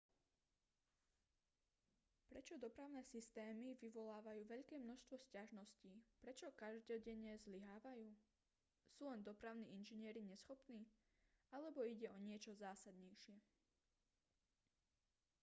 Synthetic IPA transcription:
pɾɛt͡ʃɔd̪ɔpɾaʊnɛːsist̪ɛːmiʋiʋɔlaːʋajuːʋɛʎkɛːmnɔʃst̪ʋɔscaʒnɔsciːpɾɛt͡ʃɔkaʒd̪ɔɟɛɲɛzliɦaːʋajuː | suːlɛnd̪ɔpɾaʊnḭːinʒiɲɪɛɾiɲɛsxɔpniː | alɛbɔiɟɛɔɲɪɛt͡ʃɔzaːsad̪ɲɛjʃɪɛ

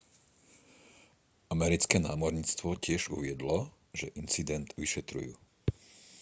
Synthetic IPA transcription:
amɛɾit͡skɛnaːmɔɾɲiːt͡st̪ʋɔcɪɛʒṵʋɪɛd̪lɔ | ʒɛʔint͡sid̪ɛnt̪ʋiʃɛt̪ɾṵjṵː

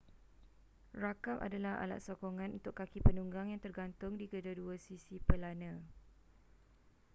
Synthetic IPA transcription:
rakama̰dalaɦa̰la̰t̪̚sokoŋãnunt̪ʊkːakipənuŋɡaŋjaŋt̪ərɡant̪ʊŋdiɡədaduasisipəlanã

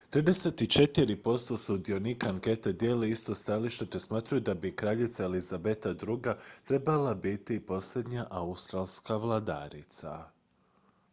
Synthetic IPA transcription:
t̪ɾiːd̪e̞set̪it͡ʃe̞t̪iɾipo̞st̪o̞sud̪io̞nikaːŋke̞t̪ed̪je̞ːleist̪o̞st̪aliʃt̪et̪esmaːt̪ɾajud̪abikɾaːʎit̪saelizabet̪ad̪ɾuɡat̪ɾe̞balabit̪ipo̞sle̞d̪ɲaʔaust̪ɾaːlˠskaʋlˠad̪a̰ɾḭt̪sa̰

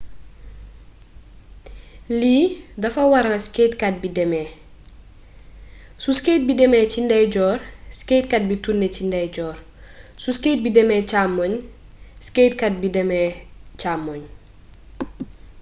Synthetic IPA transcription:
liːdɐfɐwɐɾɐsketkat̚bidɛmɛː | suskejt̚bidɛmɛːcindɛɟɔːrskejtkɐt̚bitunːɛcindɛɟɔːr | susket̚bidɛmɛt͡ʃamːoɲ | skeːtkɐt̚bidɛmɛːcamːoɲ

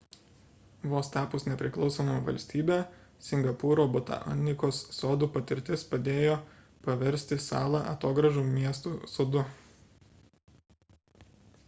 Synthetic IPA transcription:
ʋoːst̪ɑːpʊsnʲɛpʲɾʲɪklˠɒʊsoːmɐʋɐ̰lʲsʲt̪ʲiːbʲeː | sʲɪŋɡɐpuːɾoːbʊt̪ɐ̰ʔɐ̰nnʲɪkoːsːoːd̪uːpɐt̪ʲɪɾʲt̪ʲɪspɐd̪ʲeːjoː | pɐʋʲɛɾʲsʲt̪ʲɪsɑ̰ːlˠɑʔɐ̰t̪oːɡɾɐʒuːmʲiɛst̪uːsoːd̪ʊ

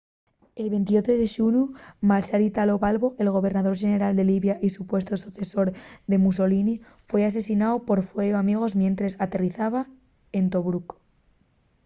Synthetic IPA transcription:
e̞lβe̞nt̪iot̪oðeʃunumalʃaɾit̪alo̞βalβo̞ʔe̞lɣ̞o̞βe̞ɾnað̞o̞ɾʃe̞ne̞ɾald̪e̞liβjaʔisupwe̞st̪osuθe̞so̞ɾðe̞mus̬o̞lini | fwe̞as̬e̞sinaopo̞ɾfweoamiɣ̞o̞zmje̞nt̪ɾesat̪e̞riθaβ̞a | e̞nt̪o̞βɾuk

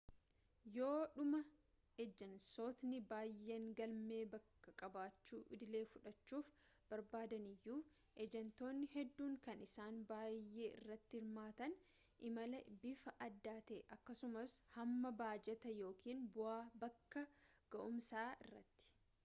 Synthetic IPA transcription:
jo̞ːᶑʊmɐ | ɛd͡ʒːɐnso̞ːt̪nɪbaːjːeːŋɡɐlme̞ːbɐkːɐkʼɐbaːt͡ʃːuːʔɪd̪ɪle̞ːfʊᶑɐt͡ʃːuːf | b̥ɐɾbaːd̪ɐnɪjːuː | ʔɛd͡ʒɛnt̪o̞ːnːɪhɛd̪ːuːŋkɐnɪsaːnbaːjːe̞ːɪ̰rːɐt̪ːɪhɪɾmaːt̪ɐn | ʔɪmɐlɐbɪfɐʔɐd̪ːaːt̪eːʔɐkːɐsʊmɐshɐmːɐbaːd͡ʒɛt̪ɐjo̞ːkiːnbʊaːbɐkːɐɡ̥ɐʔʊmsaːʔɪ̰rːɐ̰t̪ːɪ̥

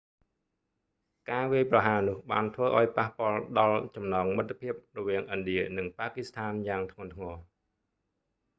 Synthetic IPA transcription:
kaːʋiəjprɑɦaːnʊ̆əhɓa̰ːnt̪ʰʋəːʔa̰ɔjpahpŏəlɗɑlt͡ɕɑmnɑːŋmət̪ʰːepʰiəp̚rɔʋiəŋʔɨnɗiənɨŋpaːkist̪ʰaːnjaːŋt̪ʰŋont̪ʰŋɔː

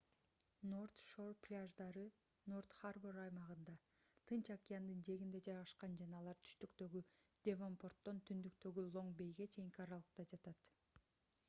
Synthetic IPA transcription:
no̞rt̪ʃo̞rplʲaʒd̪ɑɾɯ | no̞rt̪χarboɾɑjmɑʁɯnd̪ɑt̪ʰɯnt͡ʃakʲɪjand̪ɯnd͡ʒe̞ɣind̪e̞d͡ʒɑjʁɑʃqɑnd͡ʒɑnɑːlˠɑɾt̪ʰy̥ʃt̪ykt̪ø̞ɡyd̪̥ʲevompo̞rt̪ːo̞nt̪ʰynd̪ykt̪ø̞ɡylˠo̞ɴbe̞jɡe̞t͡ʃʰe̞jiŋkʲiɑɾɑlˠɯq̚t̪ɑd͡ʒɑt̪ɑt̪

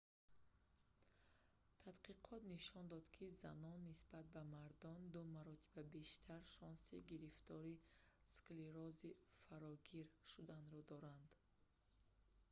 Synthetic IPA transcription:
t̪ʰad̪qiqʰɔt̪niʃɔnd̪ɔd̪kʰiza̰nɔnːisbat̪̚bamaɾd̪ɔnd̪umaɾɔt̪ʰi̥babe̞ʃt̪ʰaɾʃɔnsiɡiɾift̪ʰɔɾiskliɾɔzifaɾɔɡiɾʃud̪anɾɔd̪ɔɾand̪

